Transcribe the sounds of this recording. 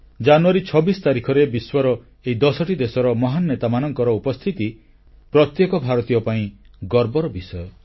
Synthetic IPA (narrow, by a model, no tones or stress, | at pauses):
d͡ʒanuaɾit͡ʃʰɔbisɔ̥t̪aɾikʰɔɾebiswɔɾɔ | eid̪ɔsɔʈid̪esɔɾɔmɔɦanːet̪amanɔŋkɔɾɔupɔst̪ʰit̪i | pɾɔt̪jekɔbʱaɾɔt̪ijɔpaĩ | ɡɔɾbɔɾɔbisɔjɔ